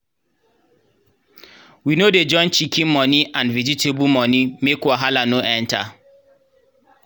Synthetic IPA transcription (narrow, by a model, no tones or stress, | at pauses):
winoded͡ʒɔ̃nt͡ʃikʰĩnmɔniʔãnvɛd͡ʒitebumɔnimekwaɦalanoʔɛ̃nta